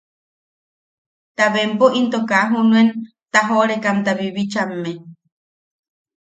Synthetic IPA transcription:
t̪aβempoʔint̪okaɦunuen | t̪aɦoɾekamt̪aβiβit͡ʃamːe

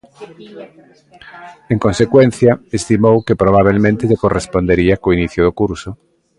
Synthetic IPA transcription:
eŋkonsekwẽn̟θjaest̪imowkepɾoβ̞aβ̞elmẽnt̪eʎekorespond̪eɾiakoiniθjoðokuɾso

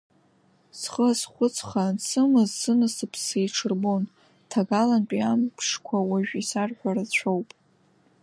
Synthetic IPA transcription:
sχəsχʷʊt͡sʰχasɨmɨzsɨnɨsɨpʰsejʈ͡ʂʰɨrbon | tʰaɡalantʼiampʰʂkʷʰawaʒᶣisarħʷᶣarat͡ɕʷʰowpʼ

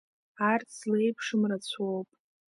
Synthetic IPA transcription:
art͡sʰslejpʰʂɨmrat͡sʷʰowpʼ

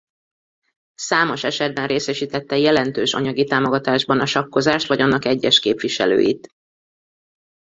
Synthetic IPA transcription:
saːmo̞ʃɛʃɛd̪̚bɛnreːsɛʃiːt̪ɛt̪ːɛjɛlɛnt̪øːʃɒ̰ɲɒɡit̪aːmo̞ɡɒt̪aːʒbɒnɒʃɒkːo̞zaːʃt̪ʋɒɟɒnːɒkɛɟːɛʃkeːpʋiʃɛ̰lø̰ːjḭt̪

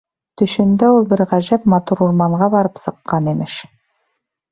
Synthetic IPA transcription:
t̪ɵ̆ʃɵ̆nd̪æulˠbɘɾʁæʒæpmɑt̪uɾuɾmɑɴʁɑbɑɾɤpsɤ̆qːɑnemɘʃ

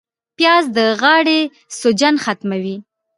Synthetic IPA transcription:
pjɑzd̪əɣɑɽe | sod͡ʒanxat̪mawi

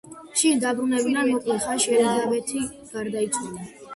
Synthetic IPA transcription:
ʃid̪abɾunɛbinamɔkʼlɛχaʃɛlizabɛt̪ʰi | ɡ̥aɾd̪ait̪sʼwala

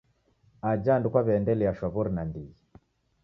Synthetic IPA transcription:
ad͡ʒandukwaβɛndɛlɛaʃwaβɔɾinandi

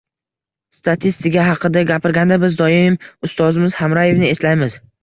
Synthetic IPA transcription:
st̪at̪ʰist̪ɪkʲaɦɑqʰɨd̪aɡʲapɪɾɡʲand̪abɪzd̪ɒjɪmʊst̪ɒzɪmɪzhamɾaje̞vnɪe̞slajmɪz

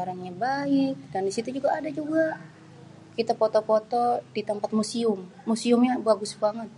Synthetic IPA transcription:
aɾaŋɲabaɪk̚dandisit̪ud͡ʒuɡaːdad͡ʒuɡa | kit̪apɔt̪ɔpot̪ɔd̥it̪əmpat̪̚musiʊmːusiʊmɲabuaɡusbuaŋan

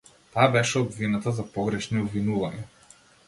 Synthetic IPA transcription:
t̪abɛʃɛɔbvinat̪azapɔɡɾɛʃniobvinuvaɲa

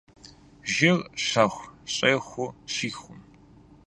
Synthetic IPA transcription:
ʒɪrɕɐχʷɕʼɐxʷʊɕiːxʷʊm

